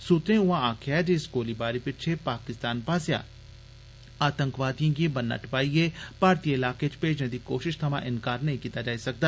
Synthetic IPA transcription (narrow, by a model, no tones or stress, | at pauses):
sut̪ɾẽʊʋãaːkʰjad͡ʒeskoːlibaːɾipɪt͡ʃʰepaːkɪst̪aːnpaːsja̰ː | aːt̪ə̃ŋkʋaːd̪ijãkĩbənːa̰ːʈʰpaːiepaːɾt̪iːəɪlaːket͡ʃpeːd͡ʒned̪iːkoːʃɪʃt̪ʰɐmãːʔɪnkaːɾnɐɦĩkiːt̪ad͡ʒaːisɐk̚d̪aː